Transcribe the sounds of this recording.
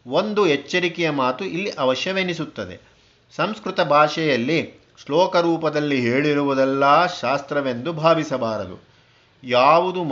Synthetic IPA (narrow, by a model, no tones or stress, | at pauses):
o̞nd̪uɦɛt͡ʃːɐɾikɛjɐmaːt̪uʔilːiʔɐʋɐʃjɐʋenisut̪ːɐd̪ḛ | sɐmskɾut̪ɐbʱaːʂɛjɐlːi | slɔːkɐɾuːpɐd̪ɐlːiɦeːɭiɾuʋud̪ɛlːɐːʃaːst̪ɾɐʋe̞nd̪ubʱaːʋisɐbaːɾɐd̪ṵ | jaːʋud̪um